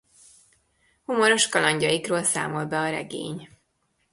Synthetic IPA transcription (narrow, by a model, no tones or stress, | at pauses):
humoɾo̞ʃkɒlɒɲɟɒjikroːlsa̰ːmo̞lbɛɒɾɛ̰ɡḛːɲ